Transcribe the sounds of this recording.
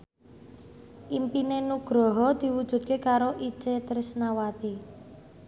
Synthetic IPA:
ʔimpinenuɡ̥ɾɔɦɔd̪̥i̤wud̥ʒ̥ṳd̪̚kekaɾoʔi̥t͡ʃet̪əɾɪsnawat̪i

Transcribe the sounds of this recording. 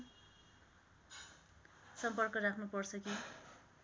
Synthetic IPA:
sʌmpʌrkʌrakʰnupʌrt͡sʰʌki

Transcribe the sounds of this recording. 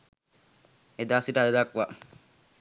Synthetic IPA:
ed̪asiʈad̪ed̪akʋa

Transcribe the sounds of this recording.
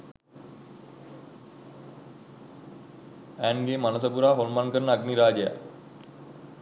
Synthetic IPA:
ænɡemanəs̬əpuɾaːɦolmankəɾənəaɡniɾaːd͡ʒəja̰

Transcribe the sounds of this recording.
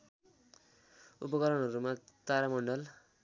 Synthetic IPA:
upʌkʌɾʌɳɦʌɾumat̪aɾamʌɳɖʌl

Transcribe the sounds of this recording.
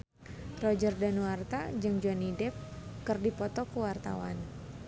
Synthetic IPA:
rɔd͡ʒərdanuwart̪a̰d͡ʒɨŋd͡ʒanidɛp̚kɨrdipɔt̪ɔkəwart̪a̰wa̰n

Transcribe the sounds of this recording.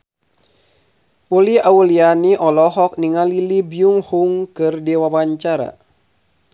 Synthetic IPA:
uliaulianiʔɔlɔɦɔk̚niŋalilibiuŋhuŋkɨrdiwawaɲt͡ʃaɾa̰

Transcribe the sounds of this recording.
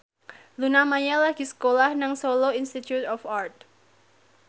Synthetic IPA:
lunamaɲalaɡ̥isə̥kolahnaŋsoloinst̪it̪jut̪ɔfart̪̚

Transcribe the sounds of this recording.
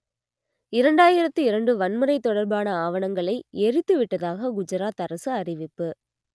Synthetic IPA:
ɪɾɐɳɖaːjɪɾɐt̪ːɯɪɾɐɳɖɯʋɐnmɯɾɐɪt̪ːɔɽɐɾbaːnɐaːʋɐnɐŋɡɐɭɐɪɛɾɯt̪ːɯʋɪʈːɐðaːɣɐɡʊd͡ʒɐɾaːt̪ɐɾɐsɯɐrɪʋɪpːɯ

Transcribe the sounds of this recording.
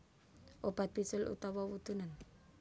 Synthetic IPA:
ʔopat̪̚pisəlṵt̪awawut̪unan

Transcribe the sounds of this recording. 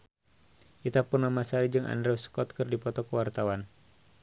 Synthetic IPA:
ʔit̪apurnamasaɾid͡ʒɨŋʔa̰ndɾɛwskɔt̪̚kɨrdipɔt̪ɔkəwart̪awan

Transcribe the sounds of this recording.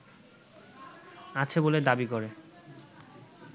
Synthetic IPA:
at͡ɕʰeboled̪abikoɾe

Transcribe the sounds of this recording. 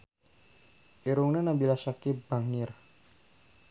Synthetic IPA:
iɾuŋnanabilasakibaŋir

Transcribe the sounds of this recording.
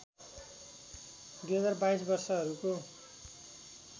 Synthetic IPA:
d̪uɦʌd͡zarbaisbʌrsʌɦʌɾuko

